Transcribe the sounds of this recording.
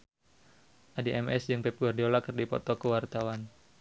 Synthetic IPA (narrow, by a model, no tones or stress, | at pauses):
ʔadiʔɛmɛsd͡ʒɨŋpɛp̚ɡardolakərdipɔ̰t̪ɔkəwart̪awan